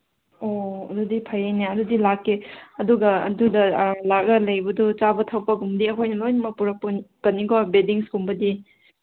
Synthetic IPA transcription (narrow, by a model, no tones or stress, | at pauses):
oɐdudipʰɐjajneɐdudilakːeɐduɡɐɐdudɐlak̚ɐlɐjbɐdut͡ʃabɐtʰɐwpɐɡumdiɐkʰojnɐlojnɐmɐpuɾɐpkɐnːiɡobediŋskumbɐdi